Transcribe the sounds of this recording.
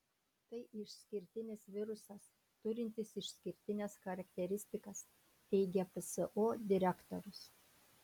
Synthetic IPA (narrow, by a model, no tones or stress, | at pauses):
t̪ɐɪʔɪʃʲsʲkʲɪɾʲt̪ʲɪnʲɪsʋʲɪɾʊsɐs | t̪ʊɾʲɪnʲt̪ʲɪsɪʃʲsʲkʲɪɾʲt̪ʲɪnʲɛsxɐɾɐkʲt̪ʲɛɾʲɪsʲt̪ʲɪkɐs | t̪ʲɛɪɡʲɛpɨsɨʔoːd̪ʲɪɾʲɛkt̪ɔɾʲʊs